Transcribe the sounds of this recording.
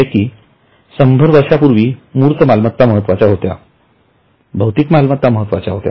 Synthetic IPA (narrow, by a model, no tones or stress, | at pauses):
ekiː | səmbʱəɾʋəɾʂapuɾʋiːmuːɾt̪əmalmət̪ːaməɦət̪ːʋat͡ɕaɦot̪ja̰ | bʱəwt̪ikmalmət̪ːaməɦət̪ːʋat͡ɕaɦot̪ja̰